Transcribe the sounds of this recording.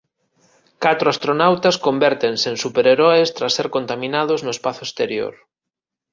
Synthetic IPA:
kat̪ɾoast̪ɾonawt̪askombɛɾt̪ensensupeɾeɾɔest̪ɾasːeɾkont̪amĩnaðʊznʊespaθʊest̪eɾjo̰ɾ

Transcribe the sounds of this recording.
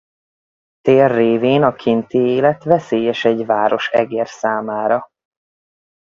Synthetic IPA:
t̪eːrːeːveːnɒkʰint̪ieːlɛt̪vɛseːjɛʃɛɟvaːɾo̞ʃɛ̰ɡeːrsaːmaːɾɒ

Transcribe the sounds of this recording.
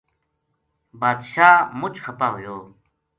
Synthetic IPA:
baːd̪ɕaːmʊt͡ɕxɐpaːɦujoː

